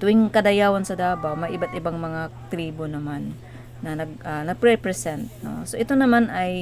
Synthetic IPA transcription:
t̪ʊʔɪŋkɐd̪ɐjaːwɐnsɐd̪aːbawmɐjʔɪbat̪̚ɪbaŋmɐŋat̪ɾiːbonɐmanː | ɐnɐɡ̚ʔanɐɡ̚pɾɛpɾɛsɛnt̪̚no̰soʔɪt̪o̞nɐmanɐj

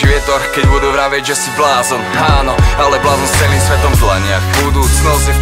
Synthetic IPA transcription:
iʋɛt̪ɔɾxkɛɟbud̪uʋɾaʋɛɟʒɛsiblaːzɔmaːnɔalɛblaːzɔmst͡sɛliːmsʋɛt̪ɔmzlaɲɪabud̪uːt͡snɔs

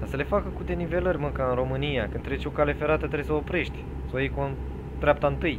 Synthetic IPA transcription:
asəle̞fakəkud̪e̞nive̞lərʲmɨŋkaɨnɾo̞mɨnijakɨnd̪ɾe̞t͡ʃo̞kale̞fe̞ɾat̪ət̪ɾeesəopɾe̞ʃt̪ʲ | sawjejkon | d̪ɾʲap̚t̪aɨnt̪ɨj

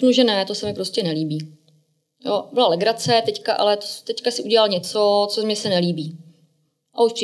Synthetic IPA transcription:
knuʒɛnɛt̪o̞sɛmɪpɾo̞scɛnɛliːbiː | jobɪlalɛɡɾat͡sɛt̪ɛckaʔa̰lɛt̪ot̪ɛckasɪʔuɟɛlalɲɛt͡so̞t͡somɲɛsɛnɛliːbiː | ʔaut͡ʃ

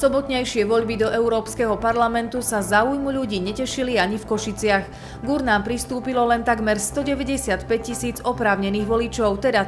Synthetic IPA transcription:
sɔbɔt̪ɲajʃɪɛʋɔʎbid̪ɔʔɛuɾɔːpskɛɦɔpaɾlamɛnt̪usazaujmuʎuɟiːɲɛcɛʃiliaɲifkɔʃit͡sɪax | ɡuɾnaːmpɾist̪uːpilɔlɛnt̪aɡmɛɾst̪ɔɟɛʋɛɟɛsɪat̪pɛc̚cisiːd͡zɔpɾaːʊɲɛniːɣʋɔlit͡ʃɔʊt̪ɛd̪a

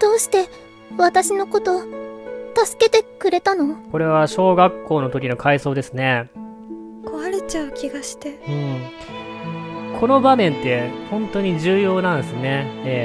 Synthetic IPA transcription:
d̪̥o̞ːɕi̥t̪e̞ | βat̪aɕino̞ko̞t̪o̞ | t̪asɨ̥ke̞t̪e̞kɯ̟ɾe̞t̪ano̞ko̞ɾe̞β̞aɕo̞ːɡakːo̞ːno̞t̪o̞kʲino̞kʰaiso̞ːd̪e̞sɨne̞ | kʰo̞βaɾe̞t͡ɕaɯ̟kʲiɡaɕi̥t̪e̞ɯ̟̃ɴ | kʰo̞no̞bamẽ̞nt̪ːe̞hõ̞nt̪o̞ɲ̟iʑɨːjo̞ːnãnd̪esɨne̞e

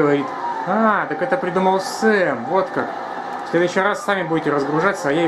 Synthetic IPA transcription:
əvɐɾʲit̪at̪əkɛt̪əpɾʲɪd̪uməlˠsɛmvo̞t̪kak | sʲlʲe̞d̪ʊɕːɪjrasːamʲɪbudʲɪtʲɪɾəzɡɾʊʐat̪ʲsəɐja

